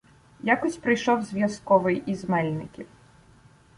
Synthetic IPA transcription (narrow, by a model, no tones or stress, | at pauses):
jakusʲpɾɨjʂɔwzʲvʲjaskɔvɨjizmɛlʲnɨkʲi